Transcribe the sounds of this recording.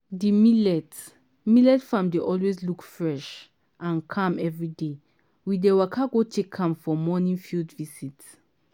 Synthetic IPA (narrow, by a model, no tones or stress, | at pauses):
dimilɛt | milɛtfãmdeʔɔlweslukfɹɛʃ | ʔãnkʰãmɛvɹide | widewakʰaɡotʰekʰːãmfɔmɔnĩnfildvisit